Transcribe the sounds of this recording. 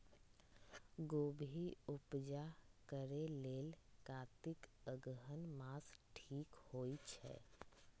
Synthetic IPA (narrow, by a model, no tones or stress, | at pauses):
ɡoːbʱiʊpd͡ʒakəɾeleːlkaːt̪ɪkəɡɦənmaːsʈʰiːkhoːit͡ʃʰɛ̰